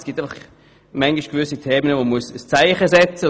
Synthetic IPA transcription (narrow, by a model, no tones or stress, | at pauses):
sɡ̥it̪aɪfɑχ | mɛŋɡiʃɡ̥vʏsitʰeːmənəvomuəsəst͡saɪχəsɛt͡sə